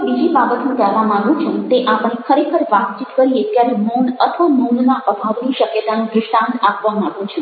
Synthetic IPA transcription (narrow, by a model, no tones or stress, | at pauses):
bid͡ʒibabət̪nũkɛɾʋamaɡjũt͡ʃʰẽt̪eʔapɽ̃ekʰəɾekʰəɾʋat̪̚t͡ʃit̪kəɾiek̪jaɾeməwnət̪ʰʋamənnaʔəbʱaʋniʃəkjət̪anũɡ̪ɾɪʃʈãnt̪apʋamaɡjũt͡ʃʰe